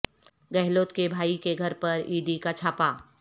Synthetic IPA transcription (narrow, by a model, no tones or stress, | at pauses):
ɡɛɦloːt̪kebʱaːikeɡʱɐɾpɐɾiːɖikat͡ʃʰaːpaː